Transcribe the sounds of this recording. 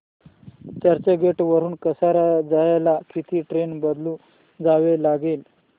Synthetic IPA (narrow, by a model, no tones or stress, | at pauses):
t͡ɕaɾt͡ɕəɡeʈʋəɾuːnkəsaɾad͡zajlakit̪ʰiːʈɾenbəd̪luː | d͡zaʋelaɡel